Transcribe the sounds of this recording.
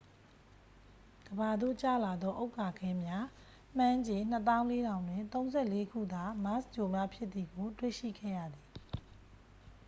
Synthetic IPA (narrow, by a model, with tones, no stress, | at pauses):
ɡ̥əba˨d̪o̰˦˨t͡ɕä̰˦˨la˨d̪ðɔ˦ʔo˦ʊkːa˨ɡʰɛ̃˦mja˦ | m̥ã˦ɲd͡ʑẽ˨n̥ə˦t̪ã˦ʊ̃le˦ɾã˨ʊ̃ndwɪ̰̃˦˨t̪õ˦ʊ̃nzɛ˦˨le˦kʰṵ˦˨d̪a˦˨ma˦st͡ɕo˨mja˦pʰjɪ˦ʔt̪ːθi˨ɡo˨twḛ˦˨ʃḭ˦˨ɡɛ̰˦˨jä̰˦˨d̪ði˨